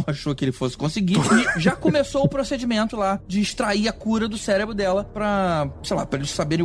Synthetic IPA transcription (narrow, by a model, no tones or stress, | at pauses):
aʃokɪelɪfosɪ̥kõsɪɡiɪʒakomesowʊpɾosed͡ʒimẽnt̪ʊlad͡ʒɪːʃt̪ɾaiɐkuɾɐd̪ʊsɛɾebɾʊd̪ɛlɐpɾɐsejla̰pɾɐelɪʃsabeɾẽ